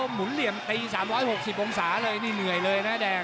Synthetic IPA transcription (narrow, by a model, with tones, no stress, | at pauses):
o˧mmu˨˦nli˨˧˩əmt̪i˧zaː˨˩˦mlaː˨˦jho˨˩k̚si˨˩ɓɔ˧ŋ͡msaː˧˩˦ləː˧˩jni˧˩nŋɨ˨˩əjləː˨˧˩jnaː˨˦˥ɗaː˨˩